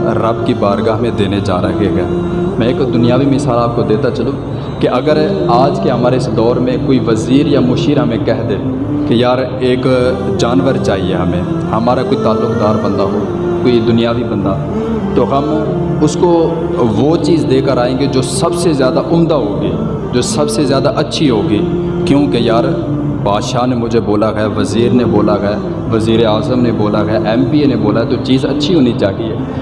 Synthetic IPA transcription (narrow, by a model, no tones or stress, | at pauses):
ɾɐbkibaːɾɡaɦmẽd̪eːned͡ʒa̰ːɾə̰ɦeɡa̰mɛ̃eːkd̪ʊnɪjaːʋimɪsaːlaːp̚kod̪eːt̪at͡ʃɐlũː | keʔɐɡəɾaːd͡ʒkeɦɐmaːɾeɪsd̪ɔːɾmẽkoːiʋəziːɾjamʊʃiːɾɦɐmẽkɛɦd̪eː | kejaːɾ | eːk | d͡ʒaːnʋəɾt͡ʃaːɦiḛɦɐmẽː | hɐmaːɾakoːit̪aːlːʊkd̪aːɾbə̃nd̪aɦoː | koːid̪ʊnijaːʋibə̃nd̪a | t̪oːɦɐm | ʊsko | ʋoːt͡ʃiːzd̪eːkəɾaːẽːɡed͡ʒoːsɐbsezjaːd̪aʔʊmd̪aɦoːɡiː | d͡ʒoːsɐbsezjaːd̪aʔɐtːʃʰiɦoːɡiː | kjõːkejaːɾ | baːd̪ʃaːnemʊd͡ʒʱeboːlaɡaʋɐziːɾneboːlaɡː | ʋəziːɾeaːzəmneboːlaɡɐaʔɛːmpiːeneboːlaɛt̪ot͡ʃiːzɐ̰tːʃʰiɦoːnit͡ʃaːɦiɦɛː